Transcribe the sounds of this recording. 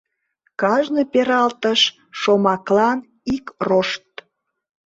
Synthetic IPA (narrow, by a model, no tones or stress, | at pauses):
kɑʒnəpeɾɑlt̪əʃ | ʃomɑklɑn | ikroʃt̪